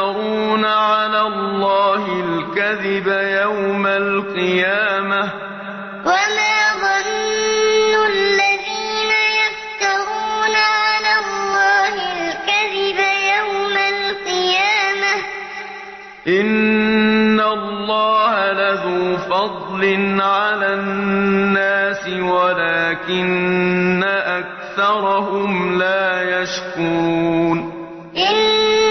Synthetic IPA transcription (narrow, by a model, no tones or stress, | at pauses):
ɑɾuːnaʕalaːlːɑːhɪlkaðɪbajawmalqɨjaːma | wamaːðˤɑnː | ʊlːaðiːnajaft̪ɑɾuːnaʕalaːlˤːɑːhɪlkaðɪbajawmalqɨjaːma | ʔɪnː | alːɑːhalaðuːfɑd̪ˤlɪnʕalaːnːaːsɪwalaːkɪnː | aʔak̚ | θɑɾˤɑɦʊmlaːjaʃkuɾuːn | ʔɪn